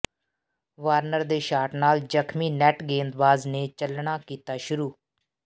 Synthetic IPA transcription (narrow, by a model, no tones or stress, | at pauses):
ʋaːɾnəɾd̪eːʃaːʈnaːld͡ʒəkʰmiːnɛːʈɡẽːnd̪ʋaːzneːt͡ʃəlɳaːkiːt̪aːʃʊɾuː